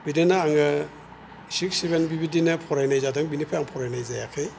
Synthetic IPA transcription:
bidenaaŋɯ | sik̚sibenbibidinɯpʰɔɾajnajzadɯŋbinipʰajaŋpʰɔɾajnajzajakʰɯj

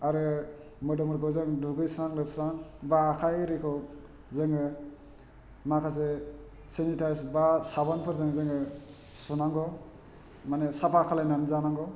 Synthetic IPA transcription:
aɾɯ | mɯdɔmɔɾɡɔzɯŋduɡɯjsaŋlɯpʰsanbaːkʰajɾikʰɔ | zɯŋɯ | makʰas̬e | sinitʰajsbasabanpʰɯɾzɯŋzɯŋɯsunaŋɡɔ | manesapʰakʰalajnanzanaŋɡɔ

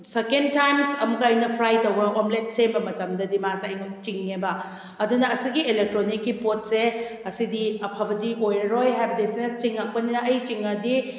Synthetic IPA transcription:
sekentajmsɐmuɡɐjnɐpʰɾajtɐwɡɐʔomlet̚sembɐmɐtɐmdɐdimaseɐjŋot͡ʃiŋːebɐ | ɐdunɐːsiɡielek̚tɾonikːipot̚seɐsidiɐpʰabɐdiʔojɾɐɾojɦajbɐdesinɐt͡ʃiŋːak̚pɐninɐɐjt͡ʃiŋɐdi

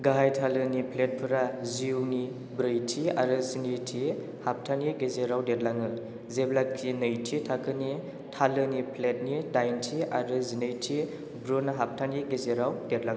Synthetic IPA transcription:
ɡaɦajtʰalɯnipʰlet̚pʰɯɾaziwni | bɾɯjtʰia̰ɾɯzinitʰi | hap̚tʰaniɡezeɾawdet̚laŋɯ | zeblak̚tʰinɯjtʰitʰakʰɯni | tʰalɯnipʰlet̚nidajntʰiaɾɯzinɯjtʰi | bɾonaɦap̚tʰaniɡezeɾawdetlaŋ

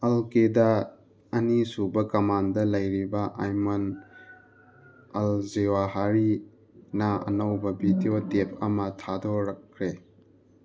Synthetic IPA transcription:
ɐlkeda | ɐnisubɐkɐmandɐlɐjɾibɐʔajmɐn | ɐlzewaɦaɾi | nɐɐ̰nɐwbɐbidiotepʰɐmɐtʰadɔɾɐkʰːɾe

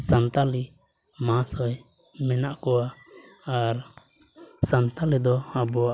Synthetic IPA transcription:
sant̪ali | mãsɔj | mɛnaʔkɔwa | aɾ | sant̪alid̪ɔhabɔa

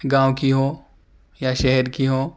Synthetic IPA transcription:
ɡãːʋkiɦoː | jaʃɛɦɛɾkiɦoː

